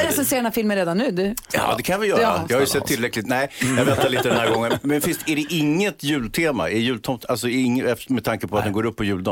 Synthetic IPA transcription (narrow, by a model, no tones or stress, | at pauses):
ɾɛsɛnseːɾanafɪlmənɾeːd̪anːʉ̟ːd̪jɑ̰ːd̪ɛkʰanjavɪjœːɾa̰jɑhajɵsɛt̪ʰːɪlːɾɛklɪt̪nɛɪjɑɡvɛt̪ːaliːt̪əd̪ɛnhæɾɡɔŋːənmɛnfɪst̪æɖɛʔɪŋːət̪jʉ̟ːlt̪ʰeːma̰ɛɾjʉ̟ːlt̪ʰɔmt̪alsɔɪŋːɛmɛdt̪ʰaŋkəpʰɔat̪̚d̪ɛnŋɡoːɾɵpːɔjʉ̟ːld̪ɔ